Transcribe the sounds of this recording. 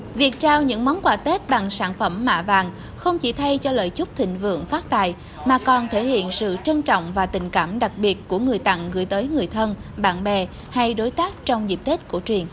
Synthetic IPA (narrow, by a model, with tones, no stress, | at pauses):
vi˨˩ək̚t͡ɕaː˧wɲɨ̰˧˥ŋmɔ˨˦nkwaː˧˩t̪e˦˥t̚ɓa˨˩ŋsaː˧˩nfə˧˩mːa̰ː˧˨vaː˨˩ŋ | xə˧wŋ͡mt͡ɕi˧˩t̪ʰa˧jt͡ɕɔ˧lə̰ː˧˨jt͡ɕʊ˦˥k͡p̚t̪ʰï˧˨ŋ̟vɨ̰˧˨əŋfaː˦˥t̚t̪a̰ː˧˨j | maː˨˩kɔ˨˩nt̪ʰe˧˩hḭ˧˨ənsɨ̰˧˨t͡ɕə˧nt͡ɕɔ̰˧˨wŋ͡mvaː˨˩t̪ï˨˩ŋ̟kaː˧˩mɗa˨˩k̚ɓi˨˩ət̚ku˧˩əŋɨ˨˩əjt̪a̰˧˨ŋɣɨ̰˧˩əjt̪əː˨˦jŋɨ˨˩əjt̪ʰə˧nɓa̰ː˧˩nɓɛ˨˩ | ha˧jɗo˨˦jt̪aː˦˥k̚t͡ɕɔ˧wŋ͡mzi˨˩p̚t̪e˦˥t̚ku˧˩ət͡ɕwi˨˩ən